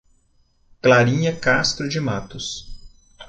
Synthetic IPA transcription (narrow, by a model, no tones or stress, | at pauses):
klaɾĩɲɐkast̪ɾʊd͡ʒɪmat̪ʊs